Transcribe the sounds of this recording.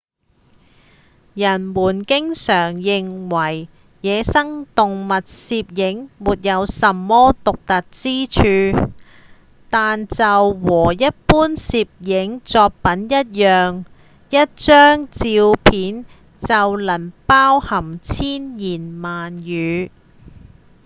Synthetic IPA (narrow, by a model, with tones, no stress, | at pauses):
jɐ˨˩nmuː˨˩nkɪ˥ŋsœː˨˩ŋjɪ˨ŋwɐ˨˩j | jɛː˨˧sɐ˥ŋt̪ʊ˨ŋmɐ˨t̚siː˧p̚jɪ˨˥ŋmuː˨t̚jɐ˨˧wsɐ˨mːɔː˥t̪ʊ˨k̚t̪ɐ˨t̚t͡siː˥t͡ʃʰyː˧ | t̪aː˨nt͡sɐ˨wwɔː˨˩jɐ˥t̚puː˥nsiː˧p̚jɪ˨˥ŋt͡sɔː˧k̚pɐ˨˥njɐ˥t̚jœː˨ŋ | jɐ˥t̚t͡ʃœː˥ŋt͡siː˧wpʰiː˨˥n | t͡sɐ˨wlɐ˨˩npaː˥whɐ˨˩mt͡sʰiː˥njiː˨˩nmaː˨njyː˨˧